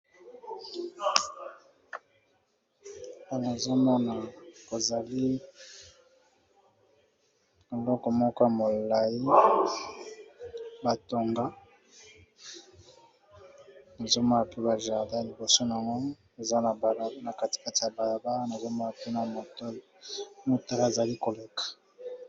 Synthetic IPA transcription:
a˦˨na˨zo˦mɔ˦na˨bo˨za˨li˦ | e˨lɔ˦kɔ˨mɔ˦kɔ˦ja˨mo˨la˨ji˦ | ba˨to˨ŋɡa˦ | na˨zo˦mɔ˦na˨pe˦ba˨ʒa˨da˦li˨bo˨so˦n˨a˨ŋɡo˦na˨za˦na˨ba˨lna˨ka˦ti̥˨ka˦ti˨ja˨ba˨la˨ba˦na˨zo˦mɔ˦na˨pe˦na˨mo˨to˦ | mo˦ta˨la˦e˨za˨li˦ko˨le˨kḁ˨

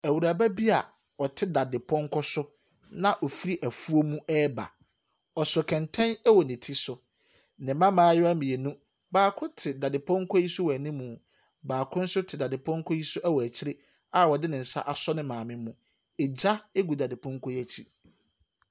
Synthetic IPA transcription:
æ˨wu˨ɾa˨ba˦bi˦a˨ | ɔ˨tʰɪ˦da˨dɪ˨pʰɔ̃˦ŋ˦kʰɔ˦sʊ˦ | nã˦ʔɔ˨fi˦ɾi˦ʔæ˨fu˦o˦mũ˦ʔɛː˦ba̰˨ | ɔ˨sʊ˨kʰɛ̃˨ntʰɛ̃˦næ˦wɔ˨nɪ̃˨tʰi˦sʊ˨ | nɪ̃˨mã˦mãː˦jɔ˦æ˦mĩ˨e˨nũ˦ | baː˨kʰʊ̃˦tʰɪ˨da˨dɪ˨pʰɔ̃˦ŋ˦kʰɔ˦ji˦sʊ˦wæ˨nĩ˦mũ˨ | baː˨kʰʊ̃˦n̩˦sʊ˦tʰɪ˨da˨dɪ˨pʰɔ̃˦ŋ˦kʰɔ˦ji˦sʊ˦ʔæ˦wɔ˨æ˨t͡ɕʰɪ˦ɾɪ˦ | a˨wɔ˨dɪ˦nɪ̃˨n̩˨sa̰˦ʔa˨sɔ˦nɪ̃˦mãː˨mɪ̃˦mũ˨ | e˨d͡ʑa˦e˦ɡu˨da˨dɪ˨pʰɔ̃˦ŋ˦kʰɔ˦jæ˦t͡ɕʰi˦

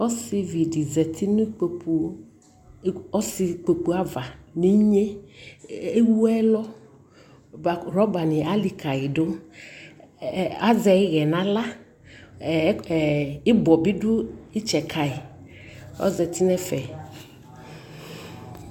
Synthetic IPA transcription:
ɔ˦si˨vi˨ɖi˨zɛ˨t̪ʰi˦nũ˦k͡ppu˨˦ | ɔ˦si˨k͡pe˨k͡pu˦a˦va˨ni˦ɲe˦ | e˦wu˦ɛ˦lɔ˦ | a˨ɾɔ˦ba˨nĩ˨a˦li˨ka˨i˨ɖo˦˨ | a˦zɛ˨i˦ɣɛ˨nã˦la˦˨˦ | i˦bɔ˨bi˦ɖu˦i˦t͡ʃɛ˨kʰa˨i˨ | ɔ̰˦zɛ˨t̪i˦nɛ̃˦fɛ˨

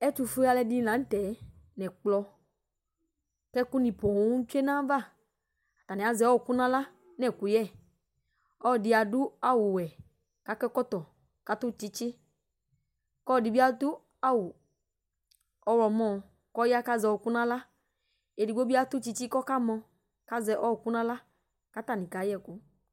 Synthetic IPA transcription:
ɛ˦tu˧fu˦a˧lɛ˧di˦˨nã˨˦n̩˦tɛ˨˦ | nɛ̃˨k͡plɔ˧ | kɛ˦ku˦nĩ˨pɔ˨˦u˦t͡ʃu˦e˦nã˦va˦˨ | a˨t̪a˨nɛ̃˨a˨zɛ˨˦ɔ˦˨ku˦nã˦la˦ | nɛ˦˨ku˨jɛ˦˨ | ɔ˦˨di˧a˨du˦a˦wu˨wɛ˨ | ka˦kɛ˦kɔ˦t̪ɔ˨ | ka˨˦tu˦˨t͡ʃi˦t͡ʃi˦ | kɔ˦˨di˨bi˦a˦tu˦ | a˦wu˨ | ɔ˧wɔ˧mɔ˦˧ | kɔ˦ja˦ka˦zɔ˧˨ku˦nã˦la˦ | e˨di˨ɡ͡bo˦bi˦a˦tu˦t͡ʃi˧t͡ʃi˦kɔ˦ka˦mɔ˧ | ka˦zɛ˨ʔɔ˦˨ku˦nã˦la˦ | ka˦ta˨ni˨ka˨˦jɛ˦˨ku˨˦

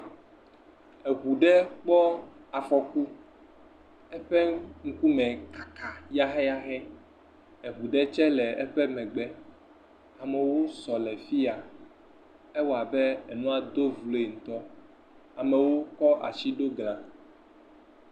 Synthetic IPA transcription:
e˨ɣu˨ɖɛ˦k͡pɔ˦a˨fɔ˨ku˦ | ɛ˦ɸɛ˦ŋ̩˦ku˦mɛ̃˨kḁ˨kʰa˨ja˦ɦɛ˦a˦xɛ˦ | e˨ɦu˨ɖɛ˦t͡ʃɛ˦lɛ˨ɛ˦ɸɛ˦mɛ̃˨ɡ͡bɛ˦ | a˨me˨wo˦sɔ˨lɛ˨fi˦a˨ | e˦wo˨a˨bɛ˦ɛ˨nũ˦a˨d̪o˦vlo˨˦e˨ŋ̩˨t̪ɔ˦ | a˨mɛ˨wo˦kɔ˦ʔa̰˨t͡ɕi˦ɖo˦ɡl̃ã˨

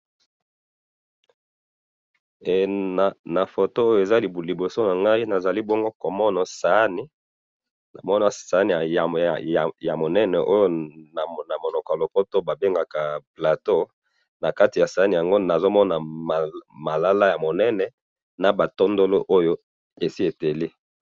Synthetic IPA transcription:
e˨na˨fo˨to˦o˦jo˨e˨za˦li˨bu˨li˨bo˨so˦na˨ŋɡa˦i˦na˨za˨li˦bɔ˦ŋɡo˦ko˨mɔ˦na˨sa˨˦ni˨ | na̰˨mɔ˦na˨sa˨˦ni˨ja˨mo˨nɛ˦nɛ˨ʔo˦jo˦n˨na˨mo˨lɔ˨kɔ˨a˨lɔ˨kɔ˦to˦ba˨be˦ŋɡa˨ka˨pla˨to˦ | na˨ka˦ti˨ja˨sa˨a˦ni˨ja˨ŋɡo˦na˨zo˦mɔ˦na˨m˨ma˨la˦la˦ja˨mo˨nɛ˦nɛ˨ | na˨ba˨to˦ndo˦lo˦ʔo˦jo˦ | e˨si˦e˨te˨le˦

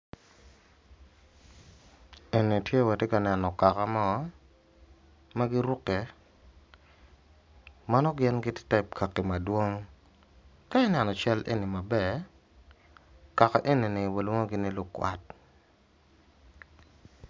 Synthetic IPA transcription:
e˨ni˨tje˦wa˨te˦ka˨nɛ˨nɔ˨ka˨ka˦mɔ˦ | ma˦ɡɪ˦ɾʊ˦kɛ˨ | ma˦nɔ˦ɡɪ˦nɡɪ˦tɪ̥˦tɛ˦p̚kʰa˨kːi˨ma˨dwo˦ŋ | ka˦ɪ˦nɛ˨nɔ˨t͡ʃɛ˦lʔḛ˦ni˨ma˨bɛ˦˨ | ka˨ka̰˨ʔe˦ni˨nɪ˨wa˨lwo˦ŋo˦ɡɪ˦nɪ˦lʊ˦kːwa̰˨t̚

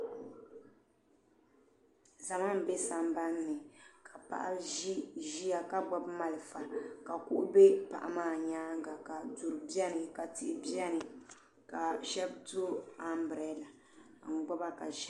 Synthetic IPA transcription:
za˨ma˦m˨bɛ˦sa˨mba˦nːɨ˨kʰa˨pa̰˨ʔa̰˦ʒi˦ʒi˦a˨ka˦ɡ͡bɔ˨bma˨lɨ˨fa˨ka˨ku˦ʔʊ˦be˦pa̰˨ʔa̰˨maː˦˨ɲaː˦ŋ˦ɡa˨ka˨du˨ɾɨ˨bi˦ɛ˦nɨ˨ka˨tɪ˨ʔɪ˦bɛ˦nɨ˨ | ka˨ʃɛ˦b̚tu˦a˦m˦bɾɛ˨˦la˨ | ŋ̩˨ɡ͡bɔ˦ba˦ka˨ʒɛ˦

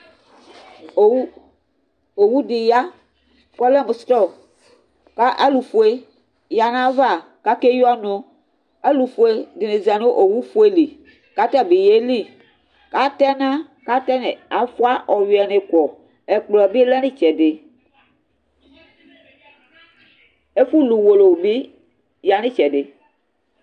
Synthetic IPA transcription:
o˨wu˦di˨ja˦ | kɔ˦lɛ˦m˨st̪ɔ˦˨ | ka˦ʔa˦lu˨fu˨e˦ | ja˨nã˦va˦˨ | ka˦ke˦jɔ˦nõ˦ | a˦lu˨fu˨e˦de˨ne˨za˨no˦ʔo˨wu˦fu˨˦e˦li˨ | ka˦t̪ɛ˦be˨je˦li˦ | ka˦tɛ˦nã˦ | ka˦tɛ˦ne˨a˨fu˦a˦ʔɔ˨wi˨ɛ˨ne˨kɔ˨ | ɛ˨k͡plɔ˨be˦lɛ˦nɪ˦t͡ʃɛ˨dɪ˨ | e˦fu˦lu˨wo˨lo˨bi˦ | ja˨nɪ̃˦t͡ʃɛ˨dɪ˨

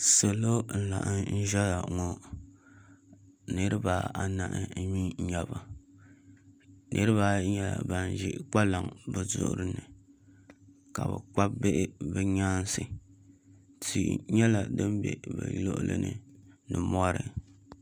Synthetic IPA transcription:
so˨lo˦n̩˦la̰˨ʔɨ˦n̩˦ʒɛ˦la˨ŋɔ˦ | nɨ˦ɾɨ˦ba˨a˨na̰˨ʔɨ˨n̩˦mi˦ɲɛ˨ba˨ | nʔɨ˦ɾɨ˦βa˦ɲɛ˦la̰˨ba˨n˨ʒɪ˦ʔk͡pa˦la˨ŋbɨ˨zʊ̰˦ʔʊ̰˦ɾɨ˦nɨ˨ | ka˨bɨ̰˨k͡pa˦bbe˦ʔɪ˦bɨ˦ɲaː˦n˦sɨ˨ | tḭ˨ɲɛ˦la˨dɨ˦m˦bɛ̰˨bɨ̰˨lo̰˦ʔʊ̰˦lɨ̰˦nɨ̰˦˨ | nɨ˨mɔ˦ɾɨ˨

